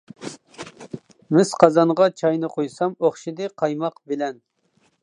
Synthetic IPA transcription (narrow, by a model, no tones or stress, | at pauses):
mɪz̥qʰɑzɑnʁɑt͡ʃʰɑjnɨqʰojsɑmoχʃid̪ɨqʰɑjmɑqbɪlɛn